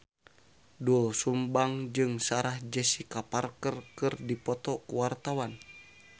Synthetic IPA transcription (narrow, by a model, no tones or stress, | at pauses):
dulsumbaŋd͡ʒɨŋsaɾahd͡ʒəsikaparkərkɨrdipɔt̪ɔkuwart̪awan